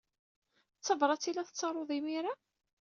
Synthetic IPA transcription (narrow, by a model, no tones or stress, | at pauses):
t͡sːəvɾˤɑt͡sːilæθət͡sːɑɾˤoðˤimiɾa